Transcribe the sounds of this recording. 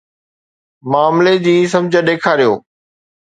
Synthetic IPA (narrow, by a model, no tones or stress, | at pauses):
maːmled͡ʑiːs̬ɐmd͡ʑʱəɗeːkʰaːɾijo̰ː